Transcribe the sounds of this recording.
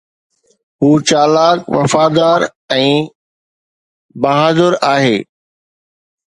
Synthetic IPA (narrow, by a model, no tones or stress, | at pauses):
ɦuːt͡ɕaːlaːkʋɐ̰faːd̪aːɾ | ɛ̃ː | bɐɦaːzəɾaːɦeː